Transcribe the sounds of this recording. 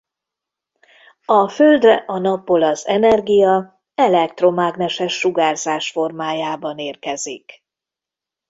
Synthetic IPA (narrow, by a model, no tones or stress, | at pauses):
ɒføld̪rɛʔɒnɒpːo̞lɒzɛnɛrɡijɒ | ɛlɛk̚t̪ro̞maːɡnɛʃɛʃːuɡaːrzaːʃfo̞rmaːjaːbɒneːrkɛzḭk